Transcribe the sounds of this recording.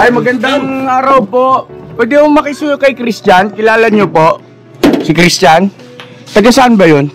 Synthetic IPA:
ʔɐjmɐɡɐnd̪aŋaːɾɐwpo̞ʔpwɛːd̪ɪmoŋmɐkɪsuːjokɐjkɾist͡ʃankɪlaːlɐɲopo̞ʔ | sɪkɾist͡ʃan | t̪ɐɡɐsaʔanbɐjon

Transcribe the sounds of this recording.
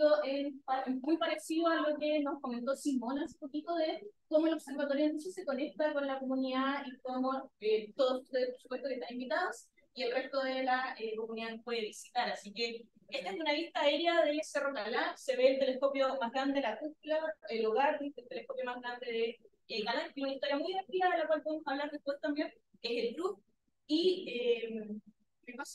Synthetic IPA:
oʔenpaemmujpaɾesiðoalokeno̞sko̞me̞nt̪osimonasupo̞kit̪oðekomoelopse̞ɾβat̪oɾjont̪osesekonek̚t̪akonlakomuniðaikomoet̪oðosu̥t̪eðepoɾsupwest̪okeht̪anĩmbit̪aðos | ielre̞st̪oðelaekomuniðanohpweðeβisit̪aɾasike | et̪aend̪unaβiht̪aːeɾjaðeseroɣalanse̞βeːlt̪e̞lehko̞pjo̞maɦɣɾand̪e̞ðelakupulaeloɣaɾðeelt̪elehko̞pjo̞mazɣɾand̪e̞ðe | eɣalankesunaiht̪o̞ɾjamujðeɾt̪ilaðelakwalpo̞ðemosaβlaɾðep̪wet̪ambjen | eselkɾuf̚ | iem | mepas

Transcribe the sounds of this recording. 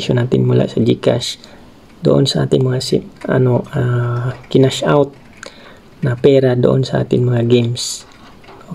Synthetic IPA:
ʃonaːt̪ɪnmula̰ʔsɐd͡ʒika̰ʃ | d̪o̰ʔonsɐʔa̰ːt̪ɪŋmɐŋasɪ̰a̰noʔakɪnaʃawt̪̚ | nɐpɛːɾad̪o̰ʔo̰nsaʔa̰ːt̪ɪŋmɐŋaɡims | o

